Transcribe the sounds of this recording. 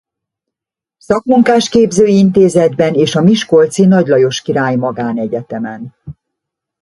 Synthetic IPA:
sɒkmuŋkaːʃkeːbzøːint̪eːzɛd̪bɛneːʃɒmiʃko̞lt̪sinɒɟlɒjo̞ʃkiɾaːjmɒɡaːnɛɟɛt̪ɛmɛn

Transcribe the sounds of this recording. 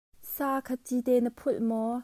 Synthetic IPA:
saːkʰɐtit̪ɛnəpʰʊlmɔ

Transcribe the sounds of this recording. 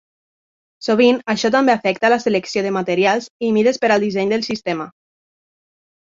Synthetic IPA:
soβ̞inaʃɔt̪ambeafɛk̚t̪alaseleksioðemat̪eɾjalˠzimiðespeɾalˠd̪izɛɲd̪əlsist̪ema

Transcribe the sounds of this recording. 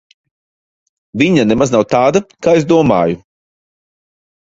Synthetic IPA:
viɲanemaznawt̪aːd̪akaːezd̪uɔmaːju

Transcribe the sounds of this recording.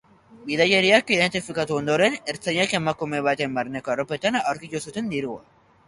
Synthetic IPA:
biðajeɾiakiðe̞nt̪ifikat̪uo̞nd̪o̞ɾe̞neɾt͡saʎake̞makume̞β̞at̪e̞mbaɾne̞koarope̞t̪anawɾkit̪usut̪e̞nd̪iɾua̰

